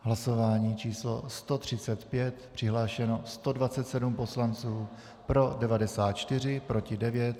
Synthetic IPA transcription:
ɦlaso̞vaːɲiːt͡ʃiːslo̞̰st̪o̞t̪r̝̥ɪt͡sɛt̪pjɛt̪pr̥ɪɦlaːʃɛno̞st̪o̞dvat͡sɛt̪sɛdumpo̞slant͡suː | pɾo̞dɛvadɛsaːt̪̚t͡ʃt̪ɪr̝ɪpɾo̞cɪdɛvjɛt̪̚

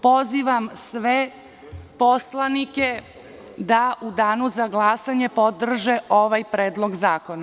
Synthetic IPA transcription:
po̞ziʋamsʋe | po̞slˠanike | d̪aʔud̪aːnuzaɡlˠaːsaɲepod̪r̩ʒeoʋajpɾeːd̪lˠo̞ɡzaːko̞na

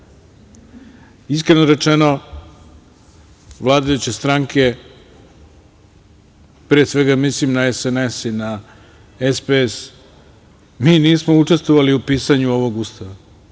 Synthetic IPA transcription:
iskɾenoɾe̞t͡ʂeno̞ | ʋlˠaːd̪ajut͡ɕe̞st̪ɾaŋkʰe̞ | pɾeːsʋe̞ɡamislimnaesenesina | espees | miːniːsmo̞ut͡ʂe̞st̪ʋoʋaliupiːsaɲuo̞ʋo̞ɡust̪aʋa

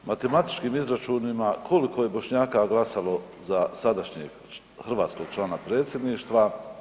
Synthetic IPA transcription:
mat̪e̞mat̪i̥t͡ʃkiːmizɾat͡ʃuːnimakʰo̞liko̞je̞bo̞ʃɲaːkaɡlˠasalo̞ | zasad̪aʃɲḛɡ | xr̩ʋaːt̪sko̞ɡ̥̚t͡ʃlˠaːnapɾe̞ːt̪sʲje̞d̪niːʃt̪ʋa

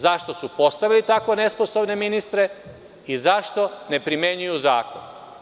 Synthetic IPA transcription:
zaʃt̪o̞supo̞st̪aʋilit̪akʋo̞ne̞sposobne̞minist̪ɾe | izaʃt̪o̞ne̞pɾimje̞ɲujuzaːko̞̰n

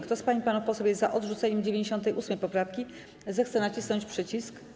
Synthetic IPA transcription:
kt̪ɔspaɲipanufpɔsɔjɛzaʔɔd̪ʐut̪sɛɲɛmd͡ʑevʲeɲd͡ʑeɕɔnt̪ɛjʔusmɛjpɔpɾafkʲi | zɛxt̪sɛnat͡ɕisnɔ̃ɲt͡ɕpʂɘt͡ɕisk

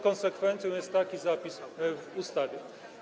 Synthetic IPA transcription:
kɔ̃nsɛkfɛnt̪sjɔ̃jɛst̪ːakʲizapʲisvust̪avʲjɛ

